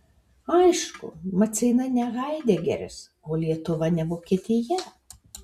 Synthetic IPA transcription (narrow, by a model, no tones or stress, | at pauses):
ɐɪʃkʊ̰mɐt̪sʲɪɪnɐnʲɛɣɐɪd̪ʲeːɡʲɛ̰ɾʲɪ̰s | oːlʲiɛt̪ʊʋɐnʲɛʋoːkʲiɛt̪ʲɪjɛ